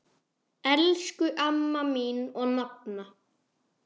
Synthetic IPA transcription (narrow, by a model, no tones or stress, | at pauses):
ɛlskʏʔamːaminɔɣnap̚na